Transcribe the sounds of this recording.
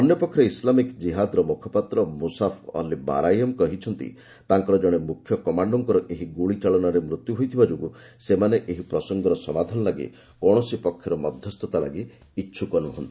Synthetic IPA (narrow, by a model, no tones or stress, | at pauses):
ɔnjɔpɔkʰːjɾislamikd͡ʒiɦad̪ɔɾɔmukʰɔpat̪ɾɔmusapʰɔ̰liba̰ɾajɔmkɔɦit͡ʃʰɔnt̪ḭ | t̪aŋkɔɾɔd͡ʒɔɽ̃emukʰːjɔkɔmaɳɖɔŋkɔɾɔʔeɦiɡuɭit͡ʃaɭɔnaɾemɾut̪juɦojt̪ʰibad͡ʒoɡu | semaneʔeɦipɾɔsɔŋɡɔɾɔsɔmad̪ʱanɔlaɡḭ | kɔɽ̃ɔsipɔkʰjɔɾɔmɔd̪ʱjɔst̪ʰɔt̪ala̰ɡiː | tːʃʰukɔnuɦɔ̰nt̪i̥